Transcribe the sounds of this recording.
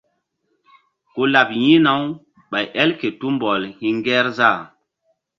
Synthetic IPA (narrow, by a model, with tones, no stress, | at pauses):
ko˦la˨pjĩ˦na˨w | ɓa˨jʔɛ˦lke˨tu˦mbɔ˨lhi˦ŋɡɛ˦ɾza˦˨